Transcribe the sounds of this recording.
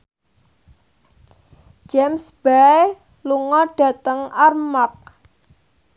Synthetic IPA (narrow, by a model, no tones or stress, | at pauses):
d͡ʒ̥ɛmsb̥a | luŋɔɖ̥ä̤t̪əŋarmak̚